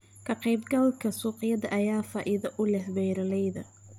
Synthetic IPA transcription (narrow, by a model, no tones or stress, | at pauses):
kʰɐqɑjbɡɐlkʰɐsuːqɪjɐðɐʔɐjaːfaːʔɪðɐʔʊlɛhbɛjɾɐlɛjðɐ